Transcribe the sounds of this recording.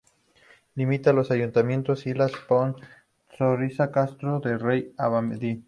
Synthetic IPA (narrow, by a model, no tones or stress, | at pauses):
limit̪alosajunt̪amjẽ̞nt̪osilaspon | sorisakast̪ɾoðerejaβamed̪i